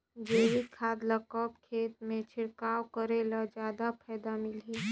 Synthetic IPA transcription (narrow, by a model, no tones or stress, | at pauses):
d͡ʒeːʋikʰaːd̪ləkəpkʰeːt̪mẽt͡ʃʰɪɽkaːwkəɾelad͡ʒjaːd̪apʰɛːd̪amɪlɦe